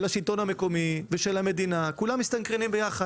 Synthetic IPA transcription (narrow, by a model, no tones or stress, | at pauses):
laʃilt̪o̞nhame̞ko̞miveʃelame̞d̪inakulamːist̪ankʁenimbejaχa